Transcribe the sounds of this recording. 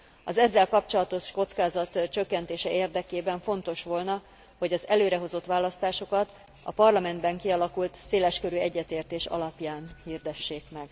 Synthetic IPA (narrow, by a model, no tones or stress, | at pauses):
ɒzɛzːɛlkɒp̚t͡ʃo̞lɒt̪o̞ʃko̞t̪skaːzɒt̪t͡ʃø̞kːɛnt̪eːʃɛʔeːrd̪ɛkeːbɛɱfo̞nt̪o̞ʃʋo̞lnɒ | ho̞ɟɒzɛløːɾɛɦo̞zo̞t̪ʋaːlɒst̪aːʃo̞kɒt̪ | ɒ̰pɒrlɒmɛnd̪bɛŋkiɒlɒkult̪seːlɛʃkøɾyɛɟːɛt̪eːrt̪eːʃɒ̰lɒpjaːnhiːrd̪ɛʃːeːkmɛɡ